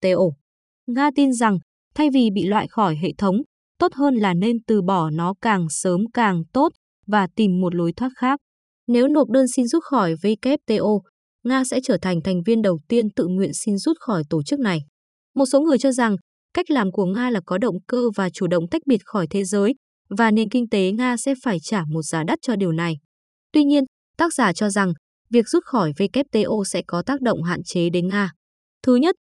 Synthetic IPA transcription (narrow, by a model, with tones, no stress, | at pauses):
t̪e˧ʔo˧ | ŋaː˧t̪i˧nza˨˩ŋ | t̪ʰa˧jvi˨˩ɓḭ˧˨lwa̰ː˧˨jxɔ˧˩jɦḛ˧˨t̪ʰə˨˦wŋ͡m | t̪o˦˥t̚ɦəː˧nlaː˨˩ne˧nt̪ɨ˨˩ɓɔ˧˩nɔ˨˦kaː˨˩ŋsəː˨˦mkaː˨˩ŋt̪o˦˥t̚ | vaː˨˩t̪i˨˩mːo˨˩t̚lo˨˦jt̪ʰwaː˦˥t̚xaː˦˥k̚ | ne˨˦wno˨˩t̚ɗəː˧nsi˧nzu˦˥t̚xɔ˧˩jve˨˦jkɛ˦˥p̚t̪e˧ʔo˧ | ŋaː˧sɛ̰˧˥t͡ɕəː˧˩t̪ʰa˨˩jŋt̪ʰa˨˩jŋ̟vi˧ənɗə˨˩wt̪i˧ənt̪ɨ̰˧˨ŋwḭ˧˨ənsi˧nzu˦˥t̚xɔ˧˩jt̪o˧˩t͡ɕɨ˦˥k̚na˨˩j | mo˨˩t̚so˨˦ŋɨ˨˩əjt͡ɕɔ˧za˨˩ŋ | ka˦˥jk̟̚laː˨˩mku˧˩əŋaː˧laː˨˩kɔ˨˦ɗə̰˧˨wŋ͡mkəː˧vaː˨˩t͡ɕu˧˩ɗə̰˧˨ŋ͡mt̪a˦˥k̟̚ɓi˨˩ət̚xɔ˧˩jt̪ʰe˨˦zəː˨˦j | vaː˨˩ne˨˩nkï˧ŋ̟t̪e˨˦ŋaː˧sɛ̰˧˥faː˧˩jt͡ɕaː˧˩mo˨˩t̚z̥aː˨˦ɗə˦˥t̚t͡ɕɔ˧ɗi˨˩əwna˨˩j | t̪wi˧ɲi˧ən | t̪aː˦˥k̚z̥aː˧˨˩t͡ɕɔ˧za˨˩ŋ | vi˨˩ək̚z̥u˦˥t̚xɔ˧˩jve˧kɛ˦˥p̚t̪e˧ʔo˧sɛ̰˧˥kɔ˨˦t̪aː˦˥k̚ɗə̰˧˨wŋ͡mɦa̰ː˧˨nt͡ɕe˨˦ɗe˨˦nŋaː˧ | t̪ʰɨ˨˦ɲə˦˥t̚